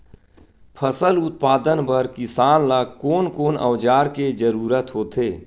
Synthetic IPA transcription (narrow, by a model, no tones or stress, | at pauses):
pʰəsəlʊt̪̚paːd̪ənpəɾkɪsaːnlakoːnkoːnə̰wd͡ʒaːɾked͡ʒəɾuːɾət̪ɦoːt̪eː